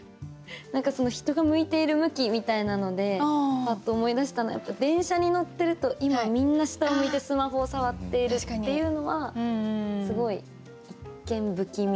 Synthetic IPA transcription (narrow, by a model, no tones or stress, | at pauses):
nãŋkaso̞no̞çi̥t̪o̞ɡamɯ̟it̪e̞iɾɯ̟mɯ̟kʲimʲit̪ainano̞d̪e̞at̪ːoːmo̞id̪aɕi̥t̪ano̰ja̰pːad̪ẽ̞ɰ̃ɕaɲ̟ino̞t̪ːe̞ɾɯ̟t̪o̞ʔimamʲĩnːaɕi̥t̪aomoit̪e̞sɨmaɦo̞ːsaβat̪ːe̞iɾɯ̟ːe̞jɯ̟no̞βa | sɨɡo̞i | ikːẽ̞mbɯ̟kʲimʲ